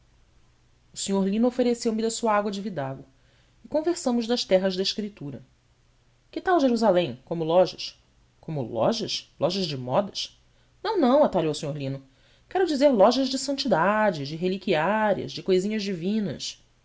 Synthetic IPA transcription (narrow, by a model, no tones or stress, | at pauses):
ʊsĩɲoɾlĩnʊofeɾesewmɪd̪ɐsuɐaɡwɐd͡ʒɪvid̪aɡʊ | ɪkõveɾsɐ̃mʊʒd̪ɐʃt̪ɛɦɐʒd̪ɐɪʃkɾit̪uɾɐ | kɪt̪awʒeɾuzalẽj̃kõmʊlɔʒɐʃ | kõmʊ̰lɔ̰ʒɐʃlʔɔʒɐzd͡ʒɪmɔd̪ɐʃ | nɐ̃w̃nɐ̃w̃at̪alowʊsĩɲoɾlĩnʊ | kɛɾʊd͡ʒizeɾlɔʒɐʒd͡ʒɪsɐ̃nt͡ʃid̪ad͡ʒɪd͡ʒɪɦelikiaɾiɐ̰zd͡ʒɪkojzĩɲɐʒd͡ʒivĩnɐ̰ʃ